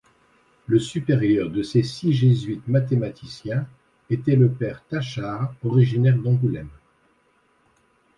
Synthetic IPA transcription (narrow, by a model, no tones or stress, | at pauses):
ləsypeʁjœʁd̪əsesiʒezɥit̪mat̪emat̪ʰisjɛ̃ | et̪ɛləpɛʁt̪aʃaʁɔʁiʒinɛʁd̪ɑ̃ɡulɛm